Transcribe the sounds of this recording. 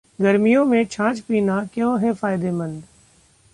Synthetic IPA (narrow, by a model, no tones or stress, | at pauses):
ɡɐɾmijõmẽt͡ʃʰãːt͡ʃpiːnakjõːɦɛfaːɪd̪emɐ̃nd̪